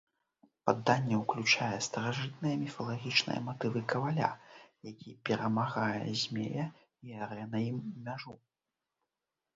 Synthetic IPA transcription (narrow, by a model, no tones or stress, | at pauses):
pad̪ːanʲːɛwklʲut͡ʂajɛst̪ɐɾaʐɨt̪nɨjɐmʲifɐlˠaɣʲit͡ʂnɨ̰jɛ̰mat̪ɨvɨkɐvalʲa̰jakʲipʲɛɾɐmaɣajɛ̰zʲmʲḛjɐ | iaɾɛnɐjimmʲaʐu